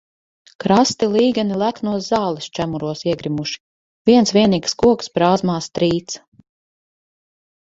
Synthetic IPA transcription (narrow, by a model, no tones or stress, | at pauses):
kɾast̪ilˠiːɡanilˠæknuɔszaːlˠist͡ʃæmuɾuɔsiɛɡɾimuʃi̥ | vʲiɛnsvʲiɛniːkskuɔksbɾaːzmaːst̪ɾiːt̪s